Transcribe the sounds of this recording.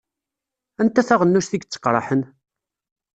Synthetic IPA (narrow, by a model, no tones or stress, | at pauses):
ænt̪æθæʁənːuʃθiɡt͡sːə̥qːɾˤɑ̰ħən